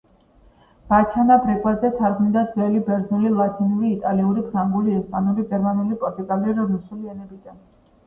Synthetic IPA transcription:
b̥at͡ʃʰanabɾɛkʼwad̪zɛt̪ʰaɾɡmid̪ad̪zwɛlibɛɾznulilˠat̪ʰinuliːt̪ʼaliuɾipʰɾaŋɡuliɛspʼanuliɡɛɾmanulipʼɔɾt̪ʼuɡaliɾɾusuliɛnɛbid̪an

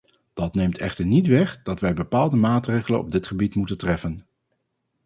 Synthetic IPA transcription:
d̥ɑtnejmtʰɛ̰χtəɹnitʋɛχd̥ɑtʋɛjbəpaːlˠdəmaːtrejχələ̰nɔ̰b̚dɪtχəbitmutəntrɛfən

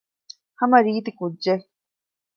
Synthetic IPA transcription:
hɐmɐɾiːt̪ikudːd͡ʒe

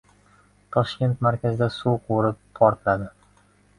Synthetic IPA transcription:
t̪ʰɒʃkʲe̞nt̪maɾkʲazɪd̪asuwqʰoɾɪpːʰɒɾt̪lad̪ɪ

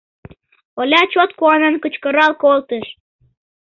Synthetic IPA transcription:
olʲɑt͡ɕot̪̚kuɑnenkət͡ɕkəɾɑlkolt̪əʃ

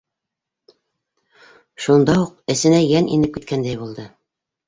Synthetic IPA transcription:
ʃund̪ɑuqɘ̆sɘ̆næjænḭnɘp̚kit̪̚kʰænd̪æjbulˠd̪ɤ

